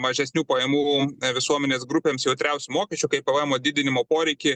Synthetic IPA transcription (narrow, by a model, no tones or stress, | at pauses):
mɐʒʲɛsʲnʲuːpɐjɛːmuːʋʲɪsuɔmʲɛnʲeːsɡɾʊpʲeːmsjɛʊt̪ʲɾʲɛʊsʲʊmoːkʲɛt͡ʃʲʊkɐɪpɐɛmoːd̪ʲɪd̪ʲɪnʲɪmoːpoːɾʲɛɪkʲɪ